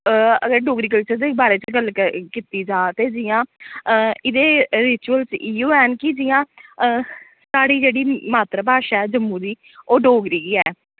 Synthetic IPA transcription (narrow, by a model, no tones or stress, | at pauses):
əɡəɾɖoːɡɾiːkəlt͡ʃəɾd̪eːbaːɾeːt͡ʃɡəlkiːt̪iːd͡ʒãːt̪eːd͡ʒɪjãː | ɪd̪eːɾɪt͡ʃuəlt͡ʃiːoːɛːnkɪd͡ʒɪːjãː | saːɽiːd͡ʒeːɽiːmaːt̪ɾəbaːʃaɛːd͡ʒəmːũːd̪iː | oːɖoːɡɾiːɡiːɛː